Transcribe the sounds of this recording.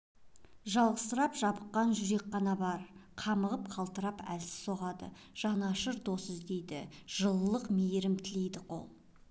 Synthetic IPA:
ʒɑlˠʁəsəɾɑpʒɑbəqːɑnʒʏɾe̞kqɑnɑbɑɾqʰɑməʁəp̚qʰɑlˠt̪əɾɑpæ̰lsɪ̥o̞ʁɑd̪ə̰ | ʒ̥ɑnɑʃəɾd̪o̞səzd̪e̞jd̪ɪ̰ʒ̥əlˠəlːˠəqmejɾɪmt̪ʰɪle̞jd̪ɪqʰo̰lˠ

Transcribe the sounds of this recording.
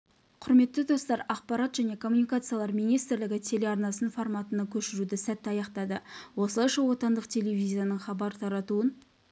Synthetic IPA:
qʰʊɾme̞t̪ːɪd̪o̞st̪ɑɾɑqpɑɾɑt̪ʒæne̞kʰo̞mːunikat̪sɨjalˠɑɾmijnijst̪ɪɾlɪɡʲɪt̪ʲʰe̞le̞ɑɾnɑsənfo̞ɾmɑt̪ənɑkʲʰɵʃɪɾud̪ɪsæt̪ːɑjɑqt̪ɑd̪əwo̞slˠɑjʃɑwo̞t̪ɑnd̪əqt̪ʲʰe̞le̞vʲizʲijanəɴχɑbɑɾt̪ʰɑɾɑt̪uən

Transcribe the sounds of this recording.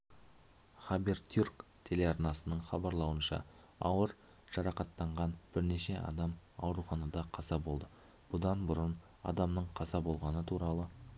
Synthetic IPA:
χɑbert̪jurkt̪ʰe̞le̞ɑɾnɑsənəɴχɑbɑɾlˠɑwənʃɑ̰ | ɑwəɾ | ʒ̥ɑɾɑqɑt̪ːɑɴʁɑnb̥ɪɾne̞ʃe̞ʔɑ̰d̪ɑmɑ̰wɾuχɑnɑd̪ɑqʰɑzɑbo̞lˠd̪ə | b̥ʊd̪ɑnbʊɾən | ɑ̰d̪ɑmnəɴqʰɑzɑbo̞lˠʁɑnət̪ʰuɾɑlˠə

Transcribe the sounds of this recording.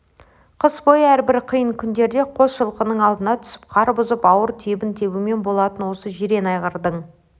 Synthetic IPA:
qʰəsbo̞jəæɾbɪɾqʰijəɴkʲʰʏnd̪e̞ɾd̪e̞qʰo̞sʃəlˠqənəɴɑlˠd̪ənɑt̪ʰʏ̥sɪ̥p̚qʰɑɾbʊzəpɑwəɾt̪ʰebɪnt̪ʰe̞bɪme̞nbo̞lˠɑt̪ənwo̞səʒeɾe̞nɑjʁəɾd̪əɴ

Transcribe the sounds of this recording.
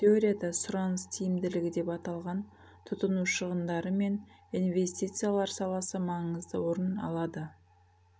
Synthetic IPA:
t̪ʲʰeo̞ɾʲijad̪ɑsʊɾɑnəst̪ʰijɪmd̪ɪlɪɡʲɪd̪e̞pɑt̪ɑlˠʁɑn | t̪ʰʊt̪ənuʃəʁənd̪ɑɾəme̞ninve̞sʲt̪ʲit̪sɨjalˠɑɾsɑlˠɑsəmɑɴəzd̪əwo̞ɾənɑ̰lˠɑd̪ə

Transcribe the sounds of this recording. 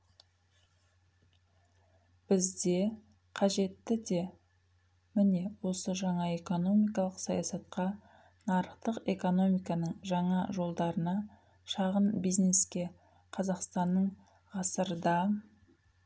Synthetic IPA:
b̥ɪzd̪e̞ | qʰɑʒe̞t̪ːɪd̪e̞ | mɪne̞wo̞səʒɑɴɑe̞ko̞no̞mijkɑlˠəqsɑjɑsɑt̪̚qʰɑ | nɑɾəqt̪əqe̞ko̞no̞mijkɑnəɴʒɑɴɑʒo̞lˠd̪ɑɾənɑ | ʃɑʁənbijzne̞skʲe̞ | qʰɑzɑqst̪ɑnːəɴ | ʁɑsəɾəd̪ɑ

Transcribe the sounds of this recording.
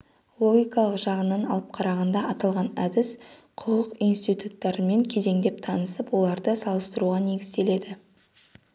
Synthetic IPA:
lˠo̞ɡʲijkɑlˠəqʒɑʁənːɑnɑ̰lˠəp̚qʰɑɾɑʁɑnd̪ɑɑt̪ɑlˠʁɑnæd̪ɪsqʰʊqəqijnst̪ijt̪ut̪ːɑɾəme̞ŋkʲʰe̞ze̞ŋd̪e̞p̚t̪ʰɑnəsəpwo̞lˠɑɾd̪əsɑlˠəst̪əɾuʁɑne̞ɡʲɪzd̪e̞le̞d̪ɪ

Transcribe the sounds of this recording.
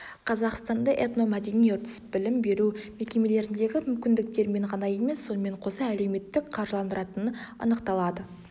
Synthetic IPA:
qʰɑzɑqst̪ɑnd̪əʔet̪no̞mæd̪e̞nijʊɾt̪ʰʏ̥sɪ̥p̚bɪlɪmbe̞ɾume̞kʲe̞me̞le̞ɾɪnd̪e̞ɡʲɪmʏmkʲɪnd̪ɪk̚t̪e̞ɾme̞ɴqʰɑnɑje̞me̞sːo̞nəme̞ɴqʰo̞sɑæle̞wme̞t̪ːɪkqʰɑɾʒəlˠɑnd̪əɾɑt̪ənənɑ̰nəqt̪ɑlˠɑd̪ə

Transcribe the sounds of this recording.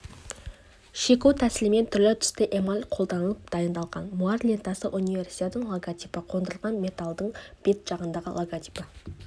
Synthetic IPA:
ʃekut̪ʰæsɪlɪme̞nt̪ʰʏɾlɪt̪ʰʏ̥st̪ɪʔemalʲqʰolˠd̪ɑnəlˠəp̚d̪̥ɑjənd̪ɑlˠʁɑnmuɑrlʲent̪ɑsəʔunijve̞rsi̥t̪et̪əɴlˠoɡat̪ʲijpəqʰo̞nd̪əlˠʁɑnme̞t̪alˠd̪əɴb̥e̞t̪ʒ̥ɑʁənd̪ɑʁə̰lˠoɡat̪ʲi̥pə

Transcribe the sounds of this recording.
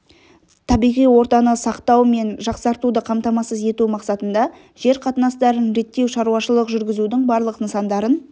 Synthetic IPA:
t̪ʰɑbijʁijwo̞ɾt̪ɑnəsɑqt̪ɑwme̞nʒɑqsɑɾt̪ud̪əqʰɑmt̪ɑmɑsəze̞t̪umɑqsɑt̪ənd̪ɑ | ʒ̥e̞ɾqʰɑt̪ənɑst̪ɑɾənɾe̞t̪ːe̞wʃɑɾuɑʃəlˠəqʒʏɾɡʲɪzud̪ɪŋbɑɾlˠəqnəsɑnd̪ɑɾən

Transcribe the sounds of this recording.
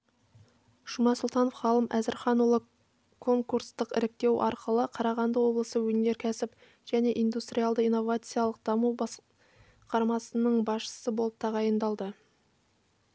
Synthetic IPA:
ʃumɑsʊlˠt̪ɑnofχɑlˠəmʔæzɪɾχɑnulˠə | kʰo̞ŋkuɾst̪əqɪ̰ɾɪk̚t̪e̞wʔɑ̰ɾqʰəlˠəqʰɑɾɑʁɑnd̪əwo̞blˠəsəwɵne̞ɾkʲʰæsɪp | ʒ̥æne̞ʔijnd̪ust̪ɾʲijalˠd̪əijnːo̞vat̪sɨjalˠəq̚d̪̥ɑmub̪ | qʰɑɾmɑsənəɴbɑsʃə̥səbo̞lˠəp̚t̪ʰɑʁɑjənd̪ɑlˠd̪ə

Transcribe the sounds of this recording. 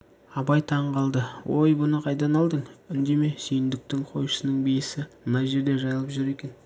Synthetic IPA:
ɑbɑjt̪ʰɑɴʁɑlˠd̪əwo̞jbʊnəqʰɑjd̪ɑnɑlˠd̪əɴʏnd̪e̞me̞sijɪnd̪ɪk̚t̪ɪŋqʰo̞jʃə̥sənəɴbejɪsɪmənɑjʒe̞ɾd̪e̞ʒɑjɑlˠəpʒʏɾe̞kʲe̞n

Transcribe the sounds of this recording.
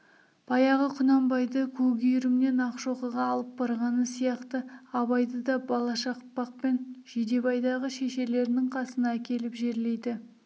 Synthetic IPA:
b̥ɑjɑʁəqʰʊnɑmbɑjd̪əkʲʰɵɡʲijɾɪmne̞nɑqʃo̞qəʁɑːlˠəp̚bɑɾʁɑnəsijɑqt̪əɑβɑjd̪əd̪ɑbɑlˠɑʃɑqpːɑq̚pe̞nʒed̪e̞bɑjd̪ɑʁəʃeʃe̞le̞ɾɪnɪŋqʰɑsənɑːkʲe̞lɪpʒe̞ɾle̞jd̪ɪ

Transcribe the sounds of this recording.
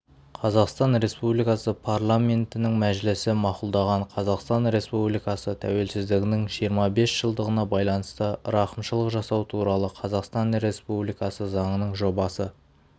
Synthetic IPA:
qʰɑzɑqst̪ɑnɾe̞spublijkɑsəpʰaɾlˠamʲe̞nt̪ɪnɪŋmæʒlɪsɪmɑqʊlˠd̪ɑʁɑɴqʰɑzɑqst̪ɑnɾe̞spublijkɑsət̪ʰæ̰we̞lsɪzd̪ɪɡʲɪnɪŋʒijəɾmɑbe̞sʒ̥əlˠd̪əʁənɑbɑjlˠɑnəst̪əɾɑqəmʃəlˠəqʒɑsɑwt̪ʰuɾɑlˠəqʰɑzɑqst̪ɑnɾe̞spublijkɑsəzɑɴənəɴʒo̞bɑsə

